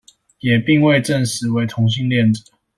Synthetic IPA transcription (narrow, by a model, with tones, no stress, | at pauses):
jɛ˨˩pi˥˧ŋwe˥˧ɪʈ͡ʂə˥˩nʂɻ̩˨˦we˧˥ɪt̪ʰʊ˧˥ŋɕ̬i˥˧ŋljɛ˥˨nt͡s̩˨˦